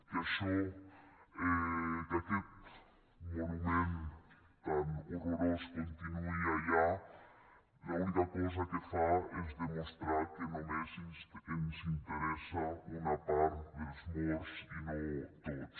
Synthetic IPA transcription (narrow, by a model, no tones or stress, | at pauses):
kaʃo | ɛd̪aket̪ | monumẽn | ɛmoroɾoskõnt̪inuiaja | jaũnd̪ɐkɔz̬ɐkefaezd̪emõst̪ɾaɾkenomezisk̪ekensint̪eɾɛsɐunɐpaɾt̪d̪elzmoɾsinõt̪ot̪s